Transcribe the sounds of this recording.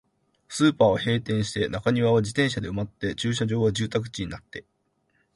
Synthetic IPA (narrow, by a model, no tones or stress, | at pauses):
sɨːpaːahe̞ːt̪ẽ̞ɰ̃ɕi̥t̪e̞nakaɲ̟iβaβ̞ad͡ʑit̪ẽ̞ɰ̃ɕad̪e̞ɯ̟mat̪ːe̞t͡ɕɨːɕ̬aʑo̞ːɡad͡ʑɨːt̪ak̬ɯ̟̥t͡ɕiɲ̟inat̪ːe̞